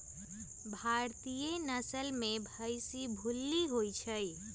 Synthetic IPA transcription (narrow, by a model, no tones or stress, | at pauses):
bʱaɾt̪ijenəsəlmebʱəjsibʱulːiɦojt͡ʃʰəj